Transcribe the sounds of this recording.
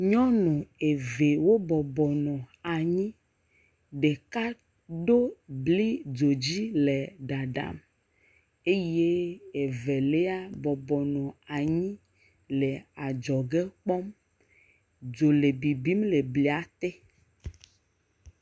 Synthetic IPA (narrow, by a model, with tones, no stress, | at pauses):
ɲɔ̃˦nũ˨e˨ve˨wo˦bɔ˨bɔ˨nɔ̃˨a˨ɲĩ˦ | ɖe˨ka˦ | ɖo˦bli˦d͡ʒo˨d͡ʑi˦le˨ɖa˨ɖa̰˨m | e˦je˦e˨ve˨le˦a˦bɔ˨bɔ˨nɔ̃˨a˨ɲĩ˦ | le˨a˨d͡ʒɔ˨ɡe˦k͡pɔ˦m | d͡ʒo˨le˨bi˨bi˦mle˨bli˨a˦t̪e˦